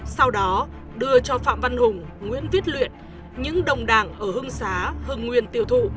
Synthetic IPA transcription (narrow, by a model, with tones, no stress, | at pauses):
sa˧wɗɔ˨˦ | ɗɨ˧ət͡ɕɔ˧fa̰ː˧˨mva˧nhʊ˨˩ŋ͡mŋwḭ˧˥ənvi˦˥t̚lwḭ˧˨ən | ɲɨ̰˧˥ŋɗə˨˩wŋ͡mɗaː˧˩ŋʔəː˧˩ɦɨ˧əŋsaː˨˦hɨ˨˩ŋːwi˨˩ənt̪i˧˩əwt̪ʰṵ˧˨